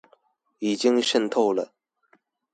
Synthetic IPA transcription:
i˨˩t͡ɕi˥ŋʂə˥˧nt̪ʰo˥˧ʊlə˩

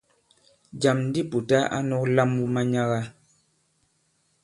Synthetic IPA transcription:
d͡ʒa˨mn˦di˦pu˨ta˦ʔa̰˦nɔ˦kla˦mu˦ma˦ɲa˦ɣa˦

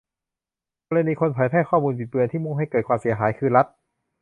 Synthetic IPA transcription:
kɔː˧la˧niː˧kʰo˧npʰaː˨˩˦jp̪ʰɛː˥˩jkʰɔː˥˩muː˧npʰi˨˩t̪̚mɯ˧ənt̪ʰiː˥˩mo˥˩ŋɦa˥˩jkɤː˨˩t̪̚kwaː˧msi˨˩˦ɐɦaː˩˦jkʰɯː˧ɾa˦˥t̪̚

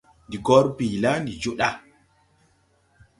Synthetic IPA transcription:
ndi˨ɡɔ˦ɾbi˨la˦ndi˨d͡ʒu˦ɗa˦

